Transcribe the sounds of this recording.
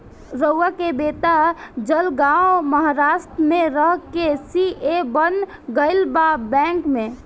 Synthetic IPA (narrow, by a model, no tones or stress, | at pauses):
ɾəakebet̪ad͡ʒəlɡãoməɦaɾasʈ̪ɾmeɾəɦkesiebən | ɡəɪlbabɛ̃ŋkme